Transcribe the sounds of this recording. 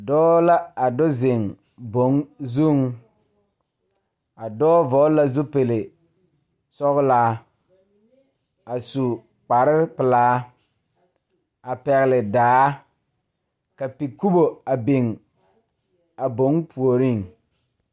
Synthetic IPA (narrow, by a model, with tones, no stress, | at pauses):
dɔː˦la˦a˨dɔ˦zɪ˨ŋ | bo˦ŋzu˦˨ŋ | a˨dɔː˦vɔ˨˦la˦zu˦pe˨lɪ˨ | sɔ˦ɣlaː˦ | a˨su˨ | k͡pa˨ɾɪ˦pɪ˨laː˨˦ | a˨pɛ˨ɣɪ˨lɪ˨daː˨˦ | ka˨pi˨ku˦bo˨a˨be˨ŋ | a˨bo˦ŋpʰu˨o˨ɾi˦ŋ